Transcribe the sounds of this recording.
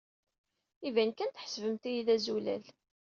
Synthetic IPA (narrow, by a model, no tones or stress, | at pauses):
ivænkænt̪əħsvəmt̪ijiðæzulæ̰l